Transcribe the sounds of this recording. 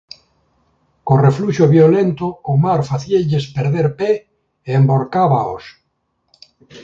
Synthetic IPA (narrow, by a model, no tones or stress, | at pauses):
korefluʃoβjolent̪ʊːmaɾfaθieʎespeɾðeɾpe | eːmboɾkaβao̰s